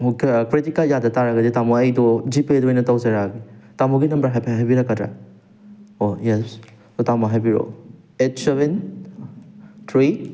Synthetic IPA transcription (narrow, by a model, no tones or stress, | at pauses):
kkɾitikɐljadɐtaɾɐɡɐdetamoɐjdɔd͡ʒipedojnɐtawzaɾaɡitamuɡinɐmbɐɾɦajpʰaɦajbiɾɐkːɐtɾa̰ | ojɛs | otamɐɦajbiɾo̰ | et̚seben | tʰɾi